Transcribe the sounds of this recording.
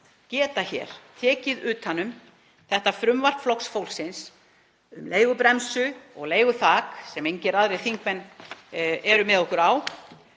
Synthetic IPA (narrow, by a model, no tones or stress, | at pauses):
cɛːt̪açɛ̰ːɾ̥t̪ʰɛːcɪðʏːt̪hanːʏm | θɛht̪afɾʏmvar̥pflɔwksfowlsɪns | ʏmleːjɣʏpɾɛmsʏɔ̰ɣleːjɣʏθaːksɛmejɲcɪɛɾaðɾejθiŋkmɛn | ɛɾʏmɛðɔhkʏɾaw